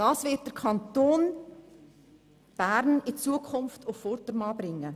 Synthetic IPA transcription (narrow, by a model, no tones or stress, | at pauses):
d̥ɑːsʋɪt̚d̥əɾkʰɑnt̪oːn | b̥æːɾnɪt͡suəkʰʊnftʰʊfːɔɾtəɾmɑːbɾɪŋːə